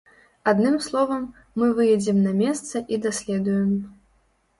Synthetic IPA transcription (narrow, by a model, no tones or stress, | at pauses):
ad̪nɨmslˠɔvɐmː | ɨvɨjɛd͡zʲɛmnɐmʲɛst̪sɐʔid̪asʲlʲɛd̪ujɛm